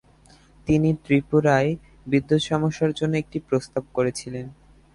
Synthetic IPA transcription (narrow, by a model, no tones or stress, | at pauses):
t̪init̪ɾipuɾae | bid̪ːot̪ʃɔmoʃːaɾd͡ʑonːoek̚ʈipɾost̪ab̚koɾet͡ɕʰilen